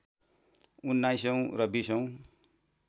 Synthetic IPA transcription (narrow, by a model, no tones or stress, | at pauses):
unːajsʌw̃rʌbisʌw̃